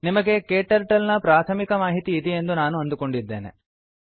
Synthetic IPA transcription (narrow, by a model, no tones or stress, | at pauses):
nimɐɡe̞keːʈɐɾʈɐlnɐpɾaːt̪ʰɐmikɐmaːɦit̪iːd̪ee̞nd̪unaːnuɐnd̪uko̞ɳɖid̪ːe̞̰ːne̞̰